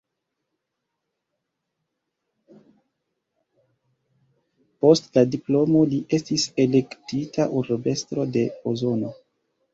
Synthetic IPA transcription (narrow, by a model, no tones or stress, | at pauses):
po̞stladiplo̞mo̞liʔe̞stise̞le̞ktitʰaʔuɾbe̞stɾo̞de̞ozo̞no̞